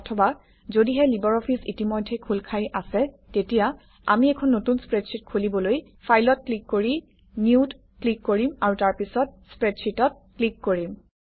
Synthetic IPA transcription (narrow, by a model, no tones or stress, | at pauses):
ɔtʰɔba | zodiɦɛlibɔɹɔpʰisḭtimojdʱːɛkʰulkʰajʔasɛ | tetija | a̰miɛkʰɔnːotunspɹɛdsit̚kʰulibɔloj | pʰajlɔt̚klikːoɹi | njiud | klikːoɹimaɹutaɹpisɔt̚spɹɛdsitɔt̚klikːoɹim